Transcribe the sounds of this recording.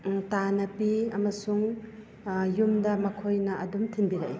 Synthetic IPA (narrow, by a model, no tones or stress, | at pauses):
tanɐpiɐmɐsuŋ | jumdɐmɐkʰojnɐɐdumtʰinbiɾaʔ